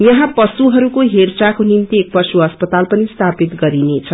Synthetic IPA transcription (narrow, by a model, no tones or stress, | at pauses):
jʌɦãpʌsuɦʌɾukoɦert͡sakonimt̪iek̚pʌsuʌspʌt̪alpʌnist̪ʰapit̪ɡʌɾinet͡sʰʌ